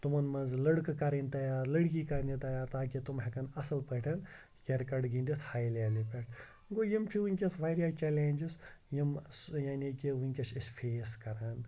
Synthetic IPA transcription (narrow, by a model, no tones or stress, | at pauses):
t̪umɐnmɐnzlɐɽkkɐɾinʲt̪aːjaːlɐɽk̬iːkɐɾnit̪ajaːt̪aːkit̪umɦɐkɐnɐsɐlpɐʈʰɐn | kʲɐɾkɐɖɡĩnd̪ishaːjlaːlipeʈʰ | ɡojimt͡ʃʰiʋuŋʲkʲɐsʋaːjɾijaːt͡ʃeːleːnʲd͡ʒisjimsjaːnikiʋuŋkʲɐsisʲfʰeːskɐɾaːn